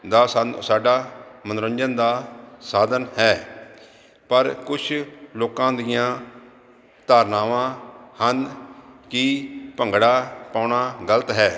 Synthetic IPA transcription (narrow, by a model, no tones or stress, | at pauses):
d̪aːsasaːɖaːmənɾəɲd͡ʒənd̪aːsaːd̪ənɦɛː | pəɾkʊt͡ʃʰloːkãːd̪ɪjãː | t̪aːɾnaːʋãːhənkiːpəŋɡɽaːpaːɳaːɡələt̪ɦɛː